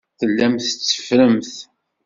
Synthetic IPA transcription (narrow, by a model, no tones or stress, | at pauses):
θəlːæmθət͡sːə̥fɾəmθ